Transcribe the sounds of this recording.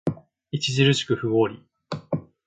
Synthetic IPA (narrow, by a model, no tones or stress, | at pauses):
it͡ɕiʑiɾɯ̟ɕi̥kɯ̟ɸɯ̟βoːɾʲi